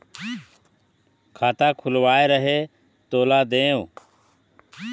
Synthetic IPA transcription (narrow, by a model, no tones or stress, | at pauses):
kʰaːt̪aːkʰʊlʋaːeːɾəɦeː | t̪oːlaːd̪ẽːõː